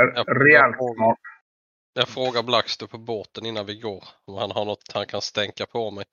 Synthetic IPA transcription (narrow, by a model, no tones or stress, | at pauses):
ɾɛɛːlhɔɾmɔn | jɑɡfɾoːɡaɾblakst̪əpʰɔboːt̪ənɪnːanvɪɡoːɾɔmhanɦaɳɔt̪ːhankʰanst̪ɛŋkapʰɔmɛj